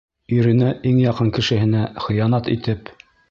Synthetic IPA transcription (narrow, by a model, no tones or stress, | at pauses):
ɵ̆ɾɘ̆næʔiŋjɑqɤŋkɘ̆ʃɘ̆hɘ̆næχɤ̆jɑnɑt̪ḭt̪ɘp